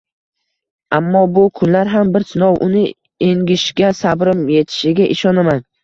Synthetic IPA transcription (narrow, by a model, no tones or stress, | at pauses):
amːɒbʊkʰʊnlaɾɦambɪɾsɪnɒwʔʊnɪ | eŋɡʲɪʃɡʲasabɾɪmje̞t̪ʰɪ̥ʃɪɡʲaʔɪʃɒnaman